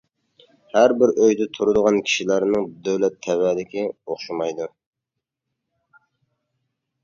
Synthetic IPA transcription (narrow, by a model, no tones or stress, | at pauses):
hæɾbɪɾʔøjd̪ɛt̪ʰuɾʊd̪əʁɑnkʲʰi̥ʃilæɾnɨŋd̪øwlɛt̪ʰːɛwæːd̪ɪkʲioχʃumɑjd̪u